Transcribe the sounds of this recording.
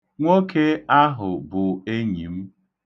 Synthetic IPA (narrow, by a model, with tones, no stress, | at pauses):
ŋʷo˦ke˦a˦ɦʊ˨bʊ˨e˦ɲi˨m̩˦